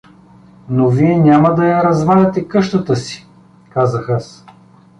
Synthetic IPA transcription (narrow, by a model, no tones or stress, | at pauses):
noviɛnʲamɐd̪ɐjɐɾɐzvadɛt̪ɛkɤʃt̪ət̪əsi̥ | kazɐxas